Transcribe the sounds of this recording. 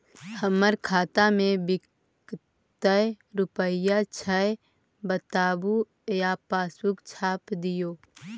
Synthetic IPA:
həməɾkʰaːt̪amẽbɪk | t̪əj | ɾʊpəjat͡ʃʰəje | bət̪aːbu | japaːswʊkt͡ʃʰaːpd̪ɪjoː

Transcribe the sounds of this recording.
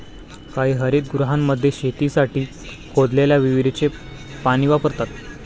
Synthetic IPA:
kaɦiːɦəɾiːt̪̚ɡɾuɦamːəd̪ʱːjeɕet̪iːsaʈiː | kʰod̪leljaʋiʋiɾit͡ɕe | paɽ̃iʋapəɾt̪at̪

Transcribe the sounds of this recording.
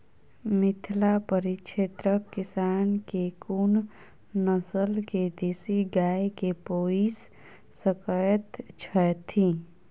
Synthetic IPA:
mɪt̪ʰlapəɾikʃeːt̪ɾəkːɪsaːnkekun | nəsəlked̪eːsiɡaːekepoːisː | əkajət̪t͡ʃʰɛt̪ʰi

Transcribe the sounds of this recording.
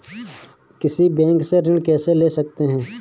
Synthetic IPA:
kɪsibɛ̃ːŋkseɾɪ̃ɳkɛːseleːsɐkt̪eɦɛ̃ː

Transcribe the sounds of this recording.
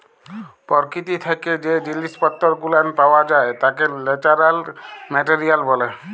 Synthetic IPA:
pɔɾkit̪it̪ʰaked͡ʒed͡ʒilispɔt̪ːɔɾkulanpawad͡ʒaet̪akelɛʈaɾalmɛʈeɾijalbɔle

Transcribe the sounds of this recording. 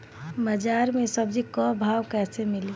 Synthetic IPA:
bəd͡ʒaɾmesəbd͡ʒʱikɔbʱawkɛːsemili

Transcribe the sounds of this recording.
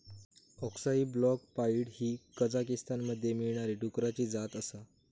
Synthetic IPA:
ɔksaiblɔk̚paiɽɦiːkəd͡zakist̪ʰanməd̪ʱːjemiɭɳ̃aɾiːʈukɾat͡ɕiːd͡zat̪əsa

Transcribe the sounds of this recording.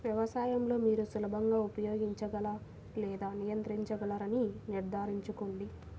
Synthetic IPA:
ʋjɐʋɐsaːjɐmlo̞ːmiːɾusulɐbʱɐŋɡaːupɐjo̞ːɡiɲt͡ʃɐɡɐlɐ | lɛːd̪aːnijɐnt̪ɾiɲt͡ʃɐɡɐlɐɾɐniniɾd̪ʱaːɾiɲt͡ʃukoɳɖi

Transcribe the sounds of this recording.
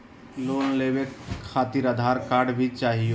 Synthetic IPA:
loːnleːʋekʰːaːt̪iɾəd̪ʱaːɾkaːɾɖbʱit͡ʃaːɦio

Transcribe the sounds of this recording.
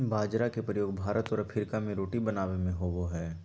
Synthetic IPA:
bʱaːd͡ʒɾakepɾəjoːɡ̚bʱaːɾət̪ɔːɾɐpʰɪɾkamẽɾoːʈibɐnaːʋemẽɦoboɦɛː

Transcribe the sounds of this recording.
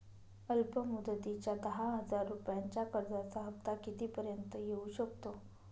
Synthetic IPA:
əlpəmud̪ət̪it͡ɕjad̪əɦaɦəd͡zaɾːupjaɲt͡ɕjakəɾd͡zat͡saɦəpt̪akit̪iːpəɾjənt̪əjeuːɕəkt̪o

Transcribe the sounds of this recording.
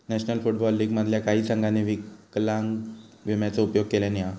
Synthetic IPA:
nɛɕnəlfuʈbɔlːiːɡməd̪ʱljakaɦiːsə̃ŋɡʱaneʋiklãŋɡ | ʋimjat͡səupjoɡ̚kelania

